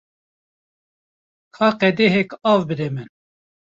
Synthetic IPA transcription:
kʰɑːqɛd̪eɦɛkɑːvbɨɾɛmɛn

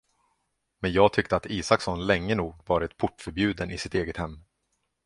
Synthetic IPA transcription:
mɛnjɑːɡ̚t̪ʰʏk̚t̪əat̪iːsaksɔnlɛŋːənuːɡvɑːɾɪt̪pʰʊʈːfœɾbjʉ̟ːd̪ənɪsɪt̪eːɡət̪hɛmː

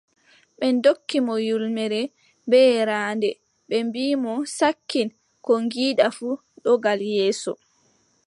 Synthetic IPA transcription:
ɓɛndokːimɔjulmɛɾɛ | bɛɾaːndɛ | ɓɛmbiːmɔsakːin | kɔŋɡiːɗafu | ɗɔɡaljɛːsɔ

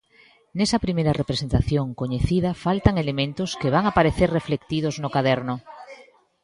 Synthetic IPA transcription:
nesapɾimeɾarepɾesent̪aθjoŋkoɲeθiðafalt̪aŋelemẽnt̪oskeβ̞aŋapaɾeθereflekt̪iðoznokaðeɾno

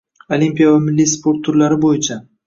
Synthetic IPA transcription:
olimpijavamɪlːispʰo̞ɾt̪ʰːʊɾlaɾɪbojɪt͡ʃʰa

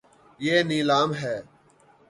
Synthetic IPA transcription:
jeːniːlaːmɦɛː

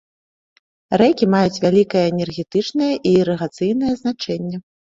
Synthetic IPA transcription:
rɛkʲimajut͡sʲvʲalʲikɐjɐːnʲɛrɣʲɛt̪ɨt͡ʂnɐjɐʔiːɾɐɣat̪sɨjnɐjɐznat͡ʂɛnʲːɛ

